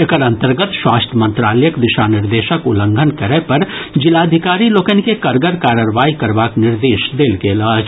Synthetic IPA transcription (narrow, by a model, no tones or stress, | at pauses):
ekəɾɐ̃nt̪əɾɡət̪ʃwaːst̪ʰəmə̃nt̪ɾaːləjəkd̪ɪʃanɪɾd̪eːʃəkʊlə̃ŋɡʱənkəɾəpɐɾd͡ʒɪlaːd̪ʱɪkaːɾiloːkənkekɐɾɡəɾkaːɾəɾʋaːikɐɾʋaːknɪɾd̪eːʃd̪eːlkeːlaːd͡ʒ